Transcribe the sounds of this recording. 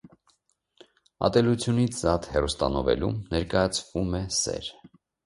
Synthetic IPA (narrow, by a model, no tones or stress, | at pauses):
ɑ̰t̪ɛlut͡sʰjunit͡sʰzɑt̪hɛrust̪ɑnɔvɛ̰lṵmnɛɾkɑjɑt͡sʰvumɛsɛ̰ɾ